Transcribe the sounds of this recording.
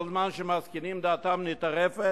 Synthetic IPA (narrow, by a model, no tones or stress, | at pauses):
lzmanʃemaskinimd̪aːt̪amnit̪aʁefe